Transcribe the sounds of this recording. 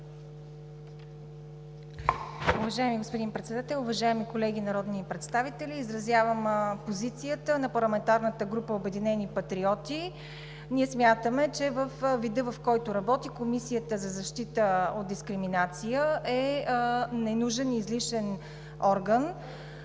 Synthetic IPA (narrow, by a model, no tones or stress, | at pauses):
ʊvɐʒaɛmiɡospod̪inpɾɛt̪sɛd̪at̪ɛlˠʊvɐʒaɛmikolɛɡ̟inɐɾɔd̪nipɾɛt̪st̪avit̪ɛlʲiːzɾɐzjavəmpozit̪sijət̪ənɐpɐɾlˠɐmɛnt̪aɾnət̪əɡɾupəobɛd̪inɛnipɐt̪ɾiɔt̪i | niɛsmʲjat̪əmɛt͡ʃɛvəfvid̪ɤvɐfkɔjt̪oɾɐbɔt̪ikomisijət̪əzɐzɐʃt̪it̪əod̪̚d̪iskɾiminat̪sijəʔɛ | nɛnuʒɛnizliʃɛn | ɔɾɡən